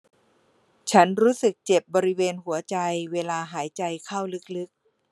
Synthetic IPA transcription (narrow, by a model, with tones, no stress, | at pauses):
t͡ɕʰa˦˥nɾuː˦˥sɯ˨˩k̚t͡ɕe˨˩p̚bɔː˧ɾi˦˥weː˧nɦu˩˦ɐt͡ɕa˧jweː˧laː˧ɦaː˩˦jt͡ɕa˧jkʰa˥˩wlɯ˦˥k̚lɯ˦˥k̚